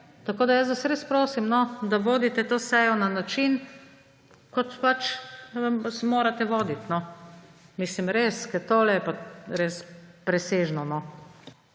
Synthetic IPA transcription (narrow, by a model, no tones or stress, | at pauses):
t̪akoːd̪ajəs̬ʋasɾespɾoːsimnɔd̪aʋoːd̪it̪ɛt̪oːsɛjɔnanat͡ʃin | kɔt̪pat͡ʃ | smoːɾat̪ɛʋoːd̪it̪nɔ | mislimɾeskɛt̪oːlɛɛpaɾespɾɛseːʒnɔnɔ